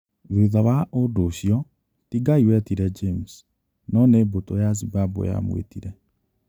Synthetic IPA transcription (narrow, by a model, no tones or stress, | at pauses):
βeðawaʔodoɕiɔ | tiɡaiwɛtiɾɛd͡ʒems | nɔnebotojaz̬ibabo̰ja̰mwḛtiɾɛ